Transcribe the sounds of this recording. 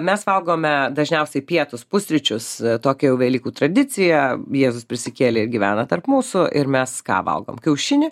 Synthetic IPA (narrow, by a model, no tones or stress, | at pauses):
mʲɛsʋɐlˠɡoːmʲɛd̪ɐʒʲnʲɛʊsʲɛɪpʲiɛt̪ʊspʊsʲɾʲɪt͡ʃʲʊst̪oːkʲɛjɛʊʋʲɛːlʲiːkuːt̪ɾɐd̪ʲɪt͡ssʲɪjɛjeːzʊspʲɾʲɪsʲɪkʲeːlʲɪɪɾɡʲiʋʲæːnɐt̪ɐrpmuːsʊʔɪɾmʲɛskɑ̰ːʋɐ̰lˠɡo̰ːmkʲɛʊʃʲɪnʲɪ